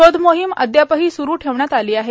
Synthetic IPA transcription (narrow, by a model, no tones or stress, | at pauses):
od̪moɦimə̰d̪japəɦiːsuɾuːʈʰeʋɳjat̪aliːaɦe